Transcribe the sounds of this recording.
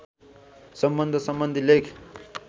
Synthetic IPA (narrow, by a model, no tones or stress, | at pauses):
sʌmbʌnd̪ʱəsʌmbənd̪ʱilekʰ